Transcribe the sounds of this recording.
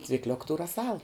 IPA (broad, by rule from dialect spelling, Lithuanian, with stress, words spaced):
t͡sʲʋʲɪkˈlʲʊk tuː rɐˈsɐlˠ